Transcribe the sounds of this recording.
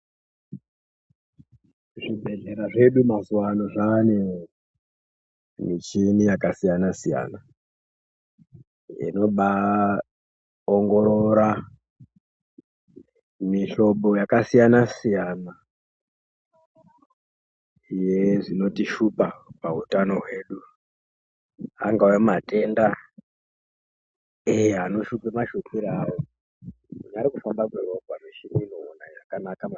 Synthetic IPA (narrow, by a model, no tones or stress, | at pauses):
ʐibʱe̞ɮe̞ɾaʐe̞ɗumazuwanoʐane | mit͡ʃinijakasijanasija̰ːna | ḭno̞ɓa | oŋɡo̞ɾoɾa | miɬo̞ɓo̞jakasijanasijana | jeʐino̞tiʃupapaɦutano̞ɦwe̞ːɗu | a̰ŋɡawemate̞nda | ejano̞ʃupemaʃokiɾajo | uɲaɾikufambakweroɡʱwaneʃiminoːnajakanakama